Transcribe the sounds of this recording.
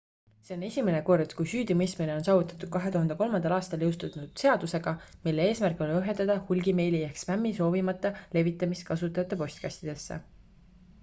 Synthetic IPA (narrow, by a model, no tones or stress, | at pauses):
se̞o̞ne̞sʲimene̞ko̞rd̪̥kujsyːd̪imɤjst̪mine̞o̞nsɑːvut̪ːˑɑ̥t̪ːˑud̥̚kɑɦe̞t̪uhɑnd̪eko̞lmɑnd̪̥ɑlɑːst̪ɑljɤwst̪unud̪̥se̞ɑd̪use̞ɡ̥ɑmilːee̞ːsmærko̞lɤɦe̞nt̪ːˑɑd̪̥ɑhulʲɡime̞jlijæhksmæmːiso̞ːvimɑt̪ːˑɑle̞vit̪ːˑɑmist̪̚kɑsut̪ːˑɑɑt̪ːˑɑpo̞sʲt̪kæsʲt̪id̪̥e̞sːḛ